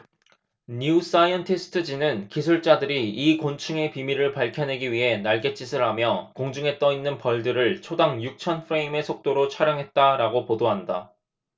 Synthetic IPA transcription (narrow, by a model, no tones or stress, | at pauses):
ɲus͈ajʌntʰe̞sʰɯ̥tʰɯd͡ʑinɯnkisʰuɭt͡ɕ͈adɯɾiikont͡ɕʰɯŋe̞pimiɾɯɭpaɭkʰjʌnɦe̞ɡiɥiɦe̞naɭɡe̞t͡ɕ͈ʰisʰɯɭɦamjʌkoŋd͡ʑuŋɦe̞t͈̚ʌinːɯnpʌɭdɯɾɯɭt͡ɕʰodaŋjuk̚t͡ɕʰʌnpʰɯɾe̞ime̞sʰok̚t͈oɾot͡ɕʰaɾjʌŋɦe̞t̚t͈aɾaɡopodoɦanda